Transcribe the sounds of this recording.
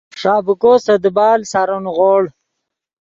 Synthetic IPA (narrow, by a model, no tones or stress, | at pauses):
ʂɑːbukosɐd̪bɑːlsaɾʊnɣoɽ